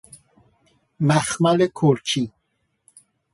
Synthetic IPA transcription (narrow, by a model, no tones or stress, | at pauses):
maxmalekʰoɾt͡ʃi